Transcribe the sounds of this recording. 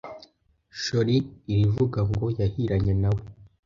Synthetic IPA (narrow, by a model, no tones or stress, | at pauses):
ʃo̞ɾiːɾivuɡaŋɡo̞jahiɾaɲe̞nawe̞